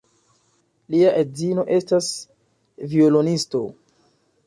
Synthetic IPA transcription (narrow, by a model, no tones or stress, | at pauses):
liaʔezino̞ʔe̞stas | violonisto̞